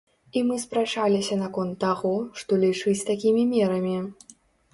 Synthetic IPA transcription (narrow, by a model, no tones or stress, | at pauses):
imɨspɾat͡ʂalʲisʲɐnakɔnt̪ːaɣɔʂt̪ɔlʲit͡ʂɨt͡sʲt̪akʲimʲimʲɛɾɐmʲi